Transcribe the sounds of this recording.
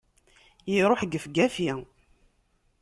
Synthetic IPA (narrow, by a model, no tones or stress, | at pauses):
jiɾˤoħɡəfɡæfi